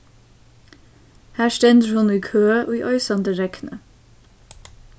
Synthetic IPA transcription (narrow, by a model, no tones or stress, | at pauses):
hæːʃt̪ɛnd̪əɹhʊnːiːkʰøːəʔoːiːʔœʏsɑnd̪əɾɛknʔə